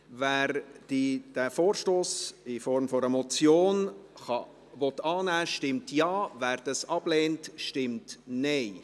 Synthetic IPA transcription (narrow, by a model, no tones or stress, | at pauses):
væːɾd̥id̥æfoːɾʃtoːsɪfɔɾmfɔɾɛmɔt͡sjoːnχɑ | vɔt̪ːɑːnæːʃtɪmtjɑːvæːɾd̥ɑsɑb̥leːntʃtɪmtnɛɪ